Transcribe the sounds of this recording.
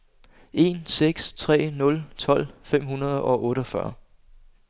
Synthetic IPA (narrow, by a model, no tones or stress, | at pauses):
ʔe̝ːnseɡ̥st͡sʰʁɛ̰ːnɔ̽lt͡sʰɒ̽l̰fem̰hunɐð̞ˠɒ̽ʔɔ̽ːɾəɒfɶɐ